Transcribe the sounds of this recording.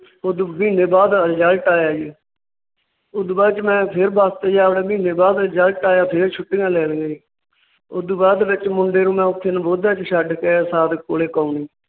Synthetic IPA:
ʊd̪biːneːbaːd̪d͡ʒalʈaːjaːd͡ʒi | ʊd̪baːt͡ʃmɛ̃ːpʰɪɾbaːst̪eːd͡ʒaːpɽeːbiːneːbaːd̪d͡ʒəlʈaːjaːpʰeɾt͡ʃʰʊʈːɪːãːlɛːɽɡəiː | ʊd̪uːbaːd̪ʋɪt͡ʃmʊɳɖeːɾũːmɛ̃ːʊt̪ʰːeːnːboːd̪aːt͡ʃʃəɖkesaːd̪koːleːkaːuniː

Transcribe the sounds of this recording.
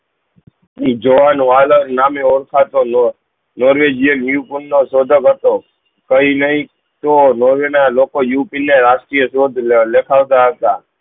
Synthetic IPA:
d͡ʒoʋaːnʋaːloːɾnaːmẽoːɾkʰaːt̪oː | noːɾʋeːd͡ʒijənjuːpʊnːoːsoːd̪ʱəɡɦət̪oː | kəiːnəɦĩ | t̪oːnoːɾʋenaloːkojuːpineːɾaːʃʈɾijəsoːd̪ʱlekʰaːʋt̪aət̪aː

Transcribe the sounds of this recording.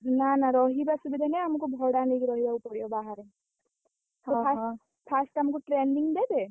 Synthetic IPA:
nanaɾɔɦibasubid̪ʱɛneamukubʱɔɽanikɾɔɦibaupɔɽijɔbaɦaɾe | tɔpʰas | pʰasʈamukuʈɾeɳɖiŋɡd̪ebe

